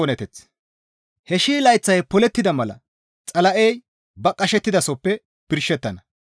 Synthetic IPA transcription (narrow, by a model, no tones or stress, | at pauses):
ɔnɛt̪ɛt͡s | hɛʃiːlɐjt͡sːɐjpɔlɛt̪ːɪd̪ɐmɐlɐ̰ | t͡sʼɐlɐʔej | bɐkʼːɐʃɛt̪ːɪd̪ɐsɔpːɛ | pɪɾʃːɛt̪ːɐnɐ